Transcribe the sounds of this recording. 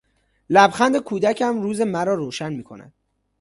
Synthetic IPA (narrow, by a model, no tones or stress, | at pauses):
læbxænd̪ekʰuːd̪æcʰæmruːze̞mæɾɒːɾoːʃænmiːkʰonæ̰d̪̥